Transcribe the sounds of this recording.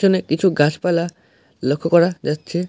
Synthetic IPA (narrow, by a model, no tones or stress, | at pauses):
ɔnekit͡ʃʰuɡʱaspajla | lokʰːɔkɔɾad͡ʒatt͡ʃʰe